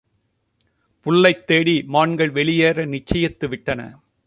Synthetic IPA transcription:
pʊɭːɐɪt̪ːeːɽimaːɳɡɐɭʋɛɭɪjeːɾɐnɪt͡ʃːɐjɐt̪ːɯʋɪʈːɐnɐ̰

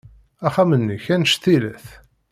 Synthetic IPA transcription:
æχæmənːiçænʃθilæθ

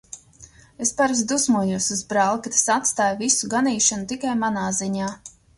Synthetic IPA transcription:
espaɾs̬d̪usmuɔjuɔsuzbɾaːlˠkat̪ḁsat̪st̪aːjvisuɡaniːʃanut̪ikajmanaːziɲaː

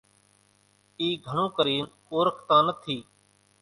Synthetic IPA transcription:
iːɡʱəɳõːkəɾiːn | oːɾəkʰt̪ãːnət̪ʰiː

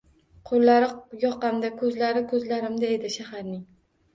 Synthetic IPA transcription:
qʰoɾlːaɾɪjɒqɑmd̪akʰɵzlaɾɪkʰɵzlaɾɪmd̪ae̞d̪ɪʃahaɾnɪŋ

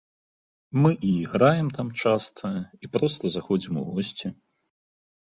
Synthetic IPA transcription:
mɨʔiiɣɾajɛmt̪amt͡ʂast̪ʰɐjɐipɾɔst̪ɐzaxɔd͡zʲimṵɣɔsʲt͡sʲi

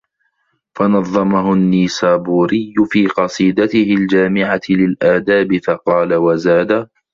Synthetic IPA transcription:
fɑnɑðˤːɑmaɦʊnːiːsaːbuːɾɪjːʊfiːqɑsˤiːd̪at̪ɪhɪld͡ʒaːmɪʕalɪlʔaːd̪aːbɪfɑqɑːlawazaːd̪a

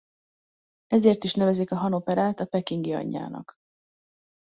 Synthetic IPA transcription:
ɛzeːrt̪iʃnɛvɛzikɒɦɒno̞pɛɾaːt̪ɒpɛkiŋɡiɒ̰ɲːa̰ːnɒ̰k

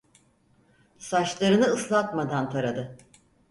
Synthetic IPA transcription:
sat͡ʃlˠaɾɯnɯɯslˠat̪mad̪ant̪ʰaɾad̪ɯ

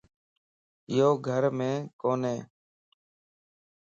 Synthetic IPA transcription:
ɪjoːɡʱəɾmẽːkoːnẽː

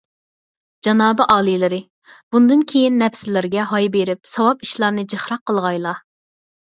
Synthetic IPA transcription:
d͡ʒɑnɑːbɨʔɑːlˠɨlˠɨɾɨ | b̥und̪ɨnkʲʰejinːɛpsɪlɪɾɡʲɛɦɑjbeɾɪpsɑwɑpiʃlˠɑɾnɨd͡ʒeχɾɑqːəlˠʁɑjlˠɑ

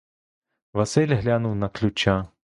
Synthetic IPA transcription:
vasɛlʲɦlʲanuwnaklʲut͡ʃa

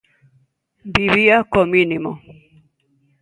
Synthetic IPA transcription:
biβiakɔminimɔ̰

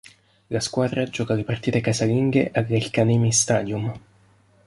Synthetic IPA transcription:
laskwaːd̪ɾad͡ʒɔːkalepart̪iːt̪ekasaliŋɡḛʔaɡːalkaneːmist̪aːd̪jum

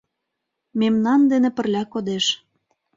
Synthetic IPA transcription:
memnɑnd̪enĕpə̆rlʲækod̪eʃ

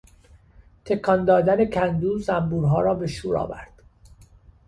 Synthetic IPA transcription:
t̪ʰe̞kʰɒnd̪ɒːd̪æne̞cʰænd̪uːzæmbuːɾɦɒːɾɒːbe̞ʃuːɾɒ̰ːvæɾd̪̥

